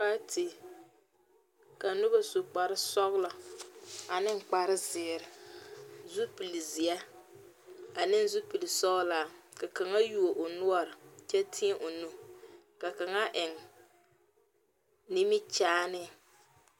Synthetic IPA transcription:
ka˦tʰɪ˨ | ka˨nʊ˦ba˦sʊ˨k͡pa˨ɾɪ˦sɔ˦ɣla˨ | a˨nɪ˦ŋ͡mk͡pa˨ɾɪ˦zɪː˨ɾɪ˨ | zu˦pi˨li˨zi˨ɛ˦ | a˨nɪ˦n˦zu˦pi˨li˨sɔ˦ɣlaː˨ka˨ka˨ŋa˦ju˦o˨ʔʊ˨nʊ˦ɔ˦˨ɾɪ˨t͡ʃɛ˦tʰi˦ʔo˨nu˦ | ka˨ka˨ŋa˦ʔɪ˨ŋ | ni˦mi˦t͡ʃaː˦nɪ˦

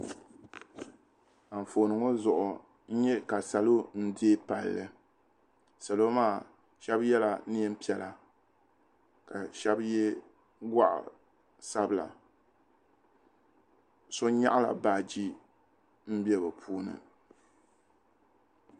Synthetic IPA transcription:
a˨ɱ̩˨foː˨nɨ˨ŋo˦zʊ˨ʔʊ˨ | n̩˦ɲɛ˦ka˨sa˨lo˦n̩˦de˦pa˨lːɨ˨ | sa˨lo˦maː˦˨ | ʃɛ˦bjɛ˦la˨ni˦ɛ˦m̩˦pi˦˨ɛ˨la˨ | ka˨ʃɛ˦bjɛ˦ | ɡʷa˦ʔa̰˨ | sa˦bla̰˨ | so˦ɲa˦ʔa˦la̰˨baː˨d͡ʒi˦ | m̩˦bi˦ɛ˦bɨ˨pʰuː˦nɨ̰˨

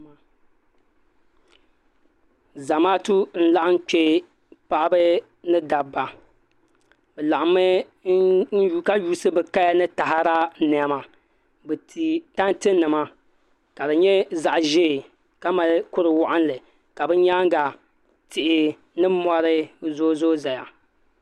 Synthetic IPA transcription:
za˨maː˦tu˦n̩˦la˦ʔa˦n˦k͡pe˦ | pa˦ʔa˦bɨ˦ | nɨ˦da˨bːa˨ | bɛ˨la˨ʔa˨mɨ˦ | n̩˦ka˦juː˦sɨ˦bɨ˨ka˦ja˦nɨ˦ta˨ɦa˦ɾa˦nɛ˨a˦ma˨ | bɨ˨i˨ta˦ntɨ˦nːɨ˨ma˦ | ka˨dɨ˨ɲɛ˦za˨ʔʒe˦˨ | ka˦ma˨lkʊ˦ɾɨ˨wʊ˦ʔa˦n˦lɨ˨ | ka˨bɨ˦ɲa˦ŋ˦ɡa˨ | tɪ˨ʔɪ˨ | nɨ˦mɔ˦ɾɨ˦zo˦zo˦za˨ja̰˨

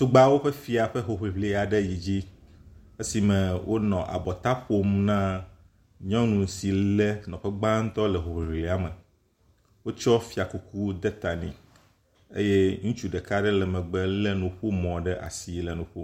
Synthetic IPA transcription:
t̪u˦ɡ͡ba˦wo˦ɸɛ˦fi˨a˨ɸɛ˦ɦo˨ɸi˨vli˨a˨ɖɛ˦ji˨d͡ʑi˦ | e˦si˨mɛ̃˨wʔo˦nɔ̃˨ʔa̰˨bɔ˨t̪a˦ɸo˦mnã˦ | ɲɔ̃˦nũ˨n˨˦si˨lɛ˦nɔ̃˨ɸɛ˦ɡ͡bã˦ŋ̩˦t̪ɔ˦lɛ˨ɦo˨ɸi˨vli˨a˦mɛ˨ | wo˦t͡ʃɔ˦fi˨a˨ku˦kʰu˦d̪ɛ˦t̪a˨nḭ̃˨ | ḛ˦je˦ŋũ˦t͡ʃu˦ɖɛ˨ka˦ɖɛ˦lɛ˨mɛ̃˨ɡ͡bɛ˨lɛ˦nũ˨ɸu˦mɔ̃˨ɖɛ˦ʔa̰˨si˨lɛ˨nũ˨ɸo˦

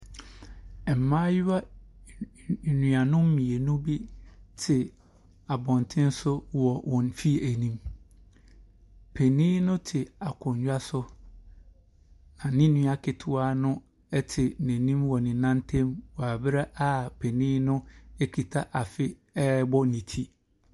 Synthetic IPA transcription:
ɛ˨m̩˨mãː˦jʊ˦a˦˨ | nũ˨a˨nʊ̃˦m̩˦mĩ˨e˨nũ˦bi˦tʰɪ˨ | a˨bɔ̃˨n˨tʰɪ̃˦n˦sʊ˦wɔ˨wʔɔ̃˨nfi˦˨æ˨nĩ˦m | pʰɛ˨nĩː˦nʊ̃˦tʰɪ˨a˨kʰʊ̃˨ɲ˨ɥᶣa˦sʊ˦ | ã˨nɪ̃˦nũ˦a˨kʰɪ˨tʰʊ˦a˦nʊ̃˦ | ɛ˦tʰɪ˨nɛ̃˨nĩ˦mwɔ˨nɪ̃˨nã˦ntʰɛ̃˦mwa˨bɾa˦ʔa˦pʰɛ˨nĩː˦nʊ̃˦ɛ˦kʰi˨tʰa˦ʔa˨fɪ˦ | ɛ˦bɔ˦nĩ˨tʰi˦

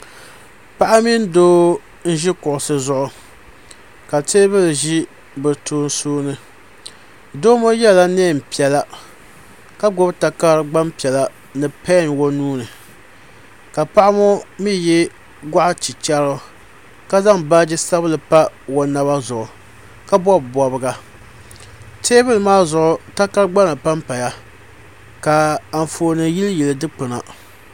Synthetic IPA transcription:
pa˦ʔa˦mi˦n˦doː˦ | n̩˦ʒi˦kʊ˨ʔʊ˨sɨ˦zʊ˦ʔʊ˨ | ka˨teː˦bɨ˦lɨ˨ʒi˦ | bɨ˨tuː˦n̩˦soː˦nɨ˦ | doː˦mo˦jɛ˦la˦neː˦˨m̩˨pi˨ɛ˨la˨ | ka˦ɡʊ˦bta˨kaː˦ɾɨ˦ɡ͡ba˦mpi˨ɛ˨la˨ | nɨ˨pɛ˦n˨wo˦nuː˦nɨ˨ | ka˨pa˦ʔa˦mo˦mi˦jɛ˦ | ɡa˦ʔa˦t͡ʃi˨t͡ʃa˦ɾʊ˦ | ka˦za˦ŋba˦d͡ʒɪ˦sa˦blɨ˨pa˦wo˨na˨ba˦zʊ˨ʊ˨ | ka˦bɔ˦bbɔ˨bɨ˨˦ɡa˦ | teː˦bɨ˦lɨ˨maː˦zʊ˨ʔʊ˨ta˦ka˦ɾɡ͡ba˦na˨pa˦mpa˨ja˦ | ka˨a˨ɱ˨foː˨nɨ˨ji˦ljɛ˨lɨ˨dɨ˦k͡pɨ˨na˨

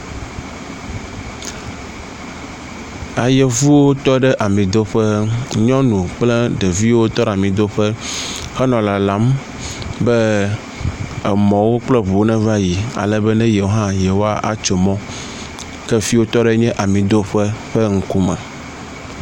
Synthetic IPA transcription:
a˨jɛ˨vu˦wo˦t̪ɔ˦ɖɛ˦ʔa˨mĩ˨d̪o˦ɸɛ˦ɲɔ̃˦nũ˨k͡plɛ˦ɖe˨vi˦wo˦t̪ɔ˦ɖa˨mĩ˨d̪o˦ɸɛ˦ | xɛ˦nɔ̃˨la˨la˨˦m | bɛ˦ | ɛ˨mɔ̃˨wo˦k͡plɛ˦βu˨wo˦nɛ̃˦va˦ji˨a̰˨lɛ˨bɛ˦nɛ̃˦jɛ˨wo˦ɦã˦jɛ˨wo˦a˦ʔa̰˨t͡ʃo˨mɔ̃˦ | kɛ˦fi˦wo˦t̪ɔ˦ɖɛ˦ɲɛ̃˦ʔa˨mĩ˨d̪o˦ɸɛ˦ɸɛ˦ŋ̩˦ku˦mɛ̰̃˨

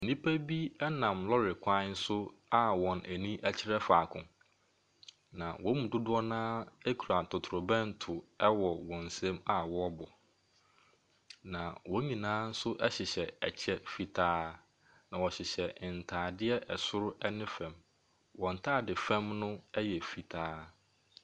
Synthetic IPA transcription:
nĩ˦pʰæ˦bi˦ɛ˦nã˨mlɔ˦ɾɪ˨kʰʷã˦n̩˦sʊ˦ | a˦wɔ̃˨næ˨nĩ˦ʔæ˦t͡ɕʰɪ˦ɾɛ˦faː˨kʰʊ̰̃˨ | nã˨wɔ̃˦mũ˨dʊ˦dʊ˦ɔ˦nãː˦ɛ˦kʰu˨ɾa˨tʰʊ˨tʰʊ˨ʊ˨bɛ̃˦˨n˨tʰʊ˨ɛ˦wɔ˨wɔ̃˨n̩˨sɛ̃˦ma˦wɔ˦ɔ˦bɔ˨ | nã˨wɔ̃˦ɲĩ˨nãː˦n̩˦sʊ˦ʔɛ˦ɕɪ˨ɕɛ˨ɛ̰˨t͡ɕʰɛ˦fi˨tʰaː˦ | nã˨wɔ˨ɕɪ˨ɕɛ˨n̩˨tʰaː˨dɪ˦ɛ˦ʔɛ˨sʊ˦ɾʊ˦ɛ˦nɪ̃˦fɛ̃˨m | wɔ̃˨n̩˨tʰaː˦˨dɪ˨fɛ̃˦mnʊ̃˦ɛ˦jɛ˨fi˨tʰaː˦

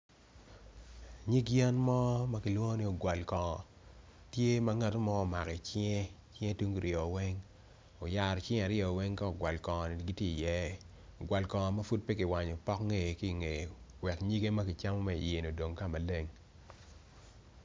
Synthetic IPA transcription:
ɲi˦ɡjɛ˦nmɔ˦ma˦ki˨lwo˦ni˦o˨ɡwa˨lkɔ˨ŋɔ˨ | tje˦mɐ˦ŋa˨to˦mɔː˦˨ma˨kɛ˨t͡ʃŋe˦ | t͡ʃɪ˦ŋe˦tu˦ŋɡɾɪɔ˨wɛ˦ŋ | o˨ja˨ɾt͡ʃɪ̃˦a˨ɾɪɔ˨wɛ˦ŋka˦o˨ɡwa˨lkɔ˨ŋɔ˨ni˨ɡi˦tje˦ḭ˨jɛ˦ | o˨ɡwa˨lkɔ˨ŋɔ˨mɐ˦fu˦d̚pe˦kɪ˨wa˨ɲo˨pɔ˦kŋe˨ki˦˨ŋe˨wɛ˨kɲi˦ɡe˦ma˦kɪ˨t͡ʃa˦mɔ˦ma˦ḭ˨je˨no˨do˨ŋka˦˨ma˨le˦ŋ

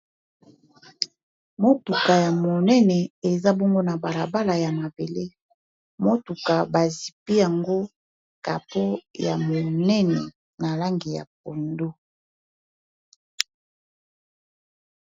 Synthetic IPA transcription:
mo˦tu˨ka˨ja˨mo˨nɛ˦nɛ˨e˨za˦bɔ˦ŋɡo˦na˨ba˨la˨ba˦la˨ja˨ma˨be˨le˦ | mo˦tu˨ka˨ba˨zi˨pi˦ja˨ŋɡo˦ | ka̰˨po˦ja̰˨mo˨nɛ˦nɛ̰˨ | na˨la˦ŋɡi˨ja̰˨p̚o˨ndo˦

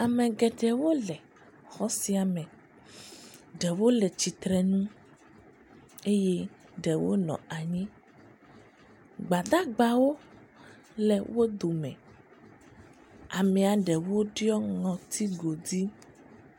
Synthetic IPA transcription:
a˨mɛ̃˨ɡɛ˨ɖɛ˨wo˦lɛ˨ | xɔ˦si˦a˨mɛ̃˨ | ɖɛ˨wo˦lɛ˨t͡ɕi˨t̪ɾɛ˨nũ˦ | e˦jɛ˦ | ɖɛ˨wo̰˦nɔ̰̃˨a˨ɲĩ˦ | ɡ͡ba˨d̪a˦ɡ͡ba˨wo˦ | lɛ˨wo˦d̪o˨mɛ̰̃˨ | a˨mɛ̃˨a˨ɖɛ˨wo˦ɖi˦ɔ˦ŋɔ̃˨t̪ʰi˦ɡo˨d̪i˦

